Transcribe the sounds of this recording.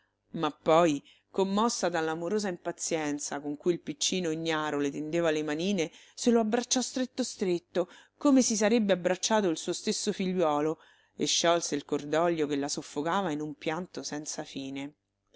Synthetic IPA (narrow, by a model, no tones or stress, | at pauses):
mapːɔj | komːɔsːad̪alːamoɾoːzaimpat̪sːjɛnt̪sakoŋkuilpit͡ʃːiːnoiɲːaːɾolet̪end̪eːvalemaniːne | seloabːɾat͡ʃːɔst̪ɾet̪ːost̪ɾet̪ːo | komesisaɾebːeabɾat͡ʃːaːt̪̬oilsuːost̪esːofiʎːwɔːlo | eʃːɔlseilkord̪ɔʎjokelːasofːokaːvainumpjant̪osɛnt̪safiːne